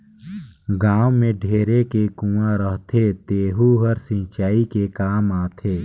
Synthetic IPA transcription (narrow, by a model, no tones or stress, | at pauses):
ɡaːwmẽɖʱeːɾekekũãɾəɦt̪ʰet̪eːɦuɦəɾsɪ̃t͡ʃaːikekaːmaːt̪ʰeː